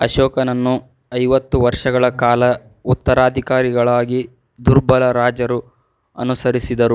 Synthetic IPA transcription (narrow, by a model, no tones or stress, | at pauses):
ɐʃɔːkɐnɐnːu | ɐjʋɐt̪ːuʋɐɾʂɐɡɐɭɐkaːlɐ | ut̪ːɐɾaːd̪ʱikaːɾiɡɐɭaːɡi | d̪uɾbɐlɐɾaːd͡ʒɐɾu | ɐ̰nusɐɾisid̪ɐɾu